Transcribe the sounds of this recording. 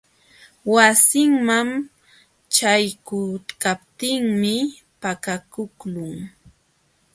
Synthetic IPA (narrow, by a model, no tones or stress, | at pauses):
wasɪŋmam | t͡ʃajkʊkapt̪ɪŋmɪ | pakakʊklʊŋ